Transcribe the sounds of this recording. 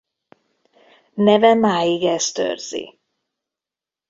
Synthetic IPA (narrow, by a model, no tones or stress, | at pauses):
nɛvɛmaːjiɡɛst̪ø̰ːrz̥ḭ